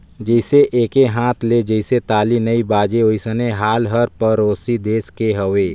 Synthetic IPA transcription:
d͡ʒəɪseʔeːkeɦãːt̪ʰled͡ʒəɪset̪aːlinɐibaːd͡ʒeoisəneɦaːlɦəɾpəɾoːsid̪eːskeɦɐʋeː

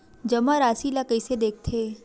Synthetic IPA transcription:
d͡ʒəmaɾaːsilakəjsed̪eːk̚ʰt̪ʰeː

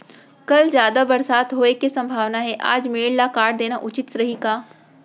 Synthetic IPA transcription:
kɐld͡ʒjaːd̪abɐɾsaːt̪ɦoːekesɐ̃mbʱaːʋnaɦɛʔa̰ːd͡ʒmeːɽlakaːɽd̪eːnaʔʊt͡ʃɪt̪sɾɐɦikaː

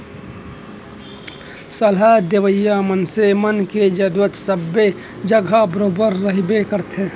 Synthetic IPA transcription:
səlɦad̪eʋəjːamənsemənked͡ʒəɾuɾət̪səbːe | d͡ʒəɡʱabɾoːbəɾːəɦibekəɾt̪ʰe

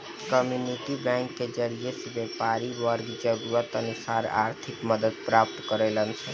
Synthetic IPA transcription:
kəmjuniʈibɛ̃ŋkːed͡ʒəɾijesebepaɾiʋəɾɡd͡ʒəɡuʋət̪ənusaɾa̰ɾt̪ʰikməd̪əd̪̚pɾap̚t̪kəɾelənt͡ʃʰɛ

